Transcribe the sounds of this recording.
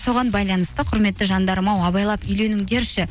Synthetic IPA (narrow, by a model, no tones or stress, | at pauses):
so̞ʁɑnbɑjlˠɑnəst̪əqʰʊɾme̞t̪ːɪʒɑnd̪ɑɾmɑwɑβɑjlˠɑpʏjle̞nɪŋd̪eɾʃɪ